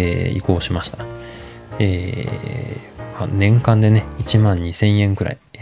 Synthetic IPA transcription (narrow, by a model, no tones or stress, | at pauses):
eḭko̞ːɕimaɕi̥t̪ḁ | eː | manẽ̞ŋkãnd̪e̞ne̞it͡ɕimãɲ̟ːisẽ̞ɰ̃ẽ̞ŋkɯ̟ɾa̰i